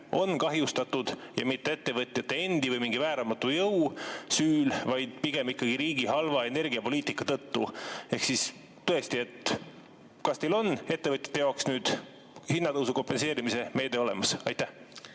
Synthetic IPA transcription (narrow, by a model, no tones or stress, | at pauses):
o̞nkɑɦjust̪ɑt̪ːˑud̪̥ | jɑ̰mit̪ːe̞e̞t̪ːe̞vɤt̪ʲˑjɑt̪ːˑe̞e̞nd̪̥ivɤjmiŋɡ̥ivæːɾɑmɑt̪ːˑujɤwsyːlvɑjd̪̥̚piɡ̥e̞mikːɑɡ̥iɾiːɡiɦɑlvɑe̞ne̞rɡiɑpo̞liːt̪ˑikːˑɑt̪ɤt̪ːue̞hksis | t̪ːɤe̞st̪ie̞t̪ | kɑst̪e̞lo̞ne̞t̪ːe̞vɤt̪jɑ̥t̪ːˑejɑoksnyːd̪̥ | hinːɑt̪ɤwsuko̞mpːense̞ːɾimise̞me̞ːd̪̥e̞ole̞mɑsɑ̰jt̪ːæh